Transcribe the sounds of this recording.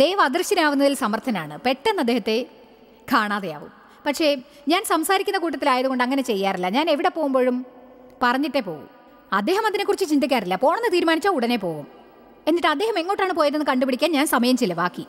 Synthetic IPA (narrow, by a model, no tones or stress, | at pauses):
d̪e̞ːɐʋɐɐd̪rɨɕɐnaːʋunːɐðilsɐmɐrt̪ʰɐnaːɳɨpe̞ʈːenːɐd̪ːe̞ːhɐt̪ːe̞ | kʰaːɳaːðɐja̰ːʋṵm | pɐkʂe̞ | ɲaːnsɐmsaːɾikʲːunːɐkuːʈ̬ːɐt̪ːilaːjɐðuɣo̞ɳɖɨɐŋːɐne̞t͡ɕe̞jːaːrilːɐɲaːne̞ʋiɽe̞po̞ːɣumbo̞ːɻum | pɐrɐɲːiʈːe̞po̞̰ːɣṵm | ɐd̪ːe̞ːɦɐmɐðinekːurit͡ɕːɨt͡ɕind̪ikʲːaːrilːɐpo̞ːɳenɨt̪iːɾumaːnit͡ɕːaːuɽɐnepoːɣum | e̞nːiʈːɨɐd̪ːe̞ːɦɐme̞ŋːo̞ːʈːaːɳɨp̬o̞ːjɐnenːɨkɐɳɖupiɽikʲːaːnɲaːnsɐmɐjɐmt͡ɕilːɐʋaːkːi